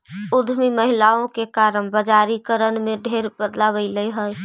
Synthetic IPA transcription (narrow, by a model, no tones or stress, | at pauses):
ʊd̪ʱmiməɦilaõkekaɾənbəd͡ʒaɾikəɾənmẽɖʱeɾbəd̪laβəɪləjɦəj